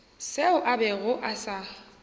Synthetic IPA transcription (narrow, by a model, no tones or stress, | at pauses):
seʊʔabɛɣʊʔasa